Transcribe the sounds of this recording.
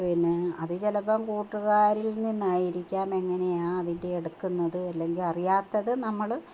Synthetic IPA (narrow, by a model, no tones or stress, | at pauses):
pinɨɐðɨt͡ɕelɐpːɐmkuːʈːuɣaːɾilninːaːjiɾikʲːaːme̞ŋːɐne̞jaːɐðinde̞ːɽukːunːɐðɨɐlːe̞ŋɡilɐrijaːt̪ːɐðɨnɐmːɐɭ